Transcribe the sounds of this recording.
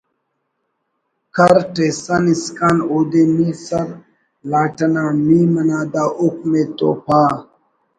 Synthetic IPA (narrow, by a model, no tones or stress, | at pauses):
kaɾʈesaniskanod̪emisaɾ | laʈanamimənad̪aʔuk̚met̪o̰pa